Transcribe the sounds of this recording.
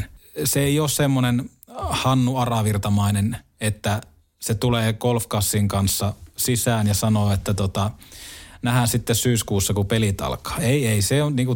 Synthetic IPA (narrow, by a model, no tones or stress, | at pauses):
seeioːssemːonen | hɑnːuɑrɑʋirt̪ɑmɑinen | et̪ːæ | set̪uleːkolfkɑsːiŋkɑnsːɑsisæːnjɑsɑnoːet̪ːæt̪ot̪ɑ | næhæsit̪ːessyːskuːsːɑkupelit̪ɑ̰lkɑ̥ːeˑieiseoniːŋku